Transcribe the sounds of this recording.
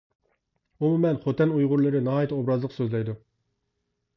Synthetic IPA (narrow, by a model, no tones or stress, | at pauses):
umumɛnχot̪ɛnujʁʊɾlˠɨɾɪnɑɦɑːjɛt̪ʰɛobɾɑzlˠəqsøzlɛjd̪u